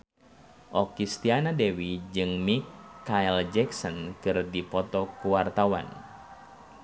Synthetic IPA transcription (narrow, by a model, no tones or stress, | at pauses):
ʔɔkist̪ianadɛwid͡ʒɨŋmikːaild͡ʒɛksɔnkɨrdipɔt̪ɔkuwart̪awa̰n